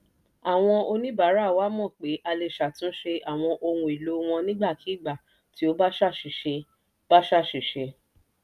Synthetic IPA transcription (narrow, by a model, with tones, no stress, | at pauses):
a˨w̃ɔ̃˧o˧nĩ˦ba˨˦ɾa˦˨wa˦mɔ̃˦˨k͡pe˨˦ʔa˧le˧˨ʃa˨tũ˨˦ʃe˧a˨w̃ɔ̃˧ʔo˧ŋũ˧˨i˨lo˨˦w̃ɔ̃˧nĩ˦ɡ͡ba˦˨kʰi˨˦˨ɡ͡ba˨ | ti˨˦o˦ba˦ʃa˦˨ʃi˨ʃe˧ | b̥a˦ʃa˦˨ʃi˨ʃe˧